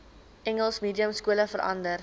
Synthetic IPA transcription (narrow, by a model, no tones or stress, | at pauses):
ʔɛŋəlˠsmiːdiəmskuələfəɾʔɐ̰ndər